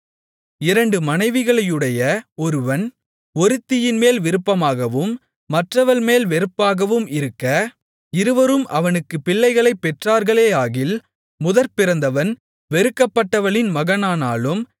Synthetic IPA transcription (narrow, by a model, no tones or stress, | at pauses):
ɪɾɐɳɖɯmɐnɐɪʋɪɣɐɭɐjɯɽɐjɐɔɾɯʋɐn | ɔɾɯt̪ːɪjɪnmeːlʋɪɾɯpːɐmaːɣɐʋɯmː | ɐʈrɐʋɐnmeːlʋɛɾɯpːaːɣɐʋɯmɪɾɯkːɐ | ɪɾɯʋɐɾɯmʔɐʋɐnɯkːɯpɪɭːɐɪɣɐɭɐɪpːɛʈraːɾɣɐɭeːaːɣɪl | mʊðɐɾpɪɾɐnd̪ɐʋɐn | ʋɛɾɯkːɐpːɐʈːɐʋɐɭɪnmɐɣɐnaːnaːlɯm